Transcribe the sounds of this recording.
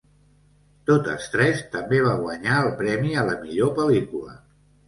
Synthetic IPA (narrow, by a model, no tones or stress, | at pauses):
t̪ot̪ə̰st̪ɾɛst̪əmbeβ̞aɣwəɲaəlˠpɾɛmiələmiʎopəlikulə̰